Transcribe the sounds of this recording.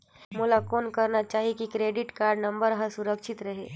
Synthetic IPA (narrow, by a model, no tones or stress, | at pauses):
mʊlakoːnkɐɾnat͡ʃaːɦikikɾeːɖɪʈkaːɾɖnɐ̃mbəɾɦəsʊɾəkʃɪt̪ɾɐɦeː